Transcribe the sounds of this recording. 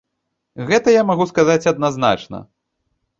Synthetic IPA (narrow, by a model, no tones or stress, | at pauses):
ɣɛt̪ɐjamaɣuskazat͡sʲɐd̪nazna̰t͡ʂnɐ̰